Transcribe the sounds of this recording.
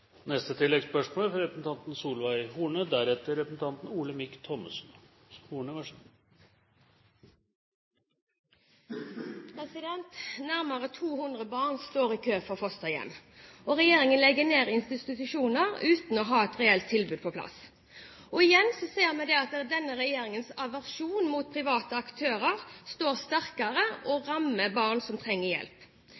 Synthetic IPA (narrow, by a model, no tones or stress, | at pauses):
nɛst̪ət̪ʰɪlːɛɡspœʂmoːlfɔɾɛpɾəsn̩t̪ɑnt̪n̩suːlʋæɪhuːɳəd̪æɾɛt̪əɾɛpɾəsn̩t̪ʰɑnt̪n̩uːləmɪkt̪ʰɔmːəsn | huːɳəʋæʂ | pʰɾɛsɪd̪ɛnt̪næʁməʁət̪ʰuːhʉnd̪ʁəbɑːʁnst̪oːʁiːkʰøːfɔʁfɔst̪ɑɪjɛ̰nːɔʁɛjeːʁɪŋənlɛɡəneːʁɪnst̪ɪɪt̪ʉʃuːnəʁʉːt̪n̩ɔɦɑːɛt̪ʁɛɛlt̪ʰːɪlbʉːd̪̚pʰɔpʰlɑ̰s | ɔɪjɛnsɔseːʁmɛd̪ɛɑt̪̚d̪ɛnːəʁɛjeːʁɪŋənsɑʋæʁʃuːnmuːt̪̚pʰʁɪʋɑːt̪əɑkt̪ʰøːʁəʁst̪oːʁst̪æʁkɑʁəʔɔʁɑməbɑːʁnsɔmt̪ʰʁɛŋːəʁjɛ̰lp